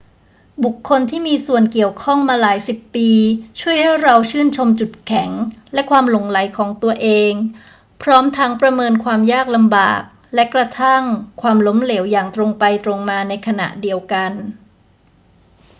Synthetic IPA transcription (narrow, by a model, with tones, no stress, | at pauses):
bu˨˩kʰːo˧nt̪ʰiː˥˩miː˧su˨˩ənki˨˩əwkʰɔ˥˩ŋmaː˧laː˩˦jsi˨˩pːiː˧t͡ɕʰu˥˩əjha˥˩jɾa˧wt͡ɕʰɯː˥˩nt͡ɕʰo˧mt͡ɕu˨˩t̪̚kʰɛ˩˦ŋlɛ˦˥kʰwaː˧mlo˨˩˦ŋla˩˦jkʰɔː˩˦ŋt̪u˧ɐʔeː˧ŋ | pʰɾɔː˦˥mt̪ʰa˦˥ŋpɾa˧mɤː˧nkʰwaː˧mjaː˥˩k̚la˧mba̰ː˨˩k̚ | lɛ˦˥kɾa˧t̪ʰa˥˩ŋkʰwaː˧mlo˦˥mle˩˦wjaː˨˩ŋt̪ɾo˧ŋpa˧jt̪ɾo˧ŋmaː˧na˧jkʰa˧na̰˨˩ʔdi˧əwka˧n